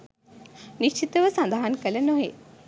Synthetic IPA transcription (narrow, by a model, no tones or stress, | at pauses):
niʃt͡ʃit̪əʋəsɐnd̪aɦankɐlɐnoɦe